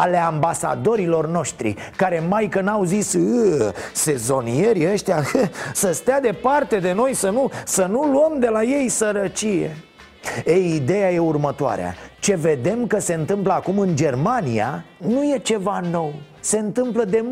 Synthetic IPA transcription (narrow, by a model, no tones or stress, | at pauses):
ale̞ambasa̰d̪o̞ɾilo̞rno̞ʃt̪ɾḭkaɾe̞majkənawzisɨse̞zo̞nie̞ɾiəʃt̪jaɨsəst̪ead̪e̞part̪e̞d̪e̞no̞jsənusənuluəmd̪e̞laje̞jsəɾət͡ʃije̞ | eid̪e̞jaje̞urmət̪oa̰ɾea̰t͡ʃe̞ve̞d̪e̞mkəse̞ɨnt̪ɨmpləakumɨnd͡ʒe̞rmanija̰nuje̞t͡ʃe̞vano̞w | se̞ɨnt̪ɨmpləd̪e̞m